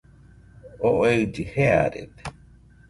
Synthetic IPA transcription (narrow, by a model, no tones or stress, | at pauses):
oʔoewd͡ʒihea̰ɾḛt̪e̥